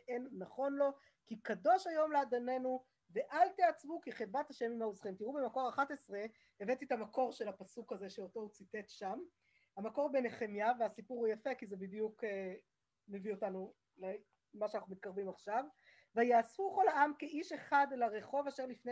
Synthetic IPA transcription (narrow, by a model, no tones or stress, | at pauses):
ʔenːaχo̞nlo̞ | kikado̞ʃajo̞mlead̪ane̞nu | ve̞ʔalt̪eat͡sbukiχitbat̪haʃemimauzχimt̪iʁubemako̞ʁaχat̪e̞sʁe̞ | evet̪it̪amako̞ʁʃe̞lapasukaze̞ʃeoto̞ut͡site̞t̪ʃam | hamako̞ʁbeneχemjaveasipuʁujafekizebidjuke | mevio̞tanu | le | maʃanaχumit̪̚kaʁvimaχʃav | vajaːsfuko̞lhaamkeʔiʃe̞χadlaʁeχo̞vaʃeʁlifne